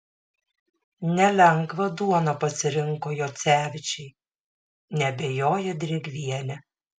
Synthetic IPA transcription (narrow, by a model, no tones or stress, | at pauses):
nʲɛlʲɛŋɡʋɐd̪uɔnɐpɐsʲɪɾʲɪŋˑkoːjoːt̪sʲæːʋʲɪt͡ʃʲɛɪ | nʲɛbʲeːjoːjɛd̪ʲɾʲɪɡʲʋʲiɛlʲɛ